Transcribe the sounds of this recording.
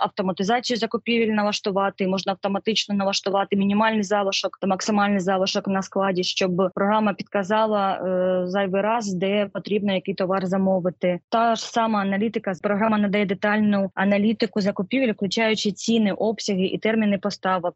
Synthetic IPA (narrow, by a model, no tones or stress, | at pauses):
ɐ̰wt̪ɔmɐt̪ɪzɑt͡sʲijʊzɐkʊpʲiʋʲilʲnɐʋˠɐʂt̪ʊʋɑt̪ɪmɔʐnɐwt̪ɔmɐt̪ɪt͡ʃnɔnɐʋˠɐʃt̪ʊʋɑt̪ɪmʲinʲimɑlʲnɪjzɑʋɐʃɔkt̪mɐksɪmɑlʲnɪjzɑʋɐʃɔknɐsklˠɑdʲiʃt͡ʃɔbpɾɔɦɾamːɐpʲid̪̚kɐzɑlˠɐzɑjʋɨɾɑzd̪ɛpɔt̪ɾʲibnɔjɐkɪjt̪ɔʋɑrzɐmɔʋɪt̪ɪt̪ɑʐsɑmɐːnɐlʲit̪ɪkɐpɾɔɦɾamɐnɐd̪ɐjɛd̪et̪ɑlʲnʊɐnɐlʲit̪ɪkʊzɐkʊpʲiʋʲilʲwklʲʊt͡ʃajʊt͡ʃɪt͡sʲinɪʔɔpsʲɐɦɪʔḭt̪ɛrmʲinɪpɔst̪ɑʋɪ